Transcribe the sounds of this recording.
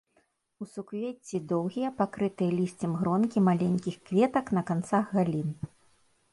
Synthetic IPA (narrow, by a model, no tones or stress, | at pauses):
usukvʲet͡sʲːid̪ɔwɣʲijɐpakɾɨt̪ɨjɐlʲisʲt͡sʲɛmɣɾɔnkʲimalʲenʲkʲixkvʲɛt̪ɐknɐkant̪saɣɣalʲin